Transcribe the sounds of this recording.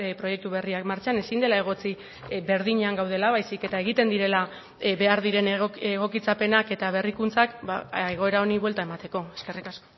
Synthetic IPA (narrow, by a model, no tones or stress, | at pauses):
pɾo̞je̞k̚t̪uβe̞riakmaɾt͡ʃane̞sind̪e̞lae̞ɣ̞o̞t͡si | be̞ɾðiɲeaŋɡawð̞e̞laβajsike̞t̪ae̞ɣ̞it̪e̞nd̪iɾe̞la | βe̞aɾðiɾe̞neɣ̞o̞kit͡sape̞nake̞t̪aβ̞e̞rikunt͡sakbaeɣ̞o̞e̞ɾao̞niβwe̞lt̪aemat̪e̞ko̞e̞ske̞rikasko